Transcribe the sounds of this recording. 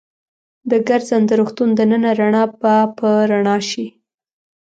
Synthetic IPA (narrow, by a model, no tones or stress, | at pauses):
d̪əɡaɾzand̪əɾoxt̪und̪ənənaɾaɳɑbapəɾaɳɑʃi